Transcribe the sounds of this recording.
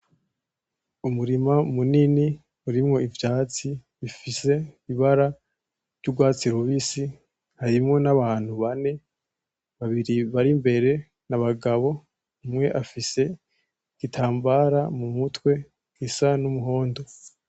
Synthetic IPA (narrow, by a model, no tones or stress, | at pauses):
umuɾimamunini | uɾimŋo̞ivjaːt͡siβifise̞iβaɾa | vɟuɡwaːt͡siɾuβisi | haɾimŋo̞naβaːn̥huβane̞ | βaβiɾiβaɾimbe̞ɾe̞ | naβaɡaβo̞ | umŋe̞ʔafise̞ | ɡ̥itʰaːmbaɾamumutwe̞ | ɡ̥isanumuɦo̞ːndo̞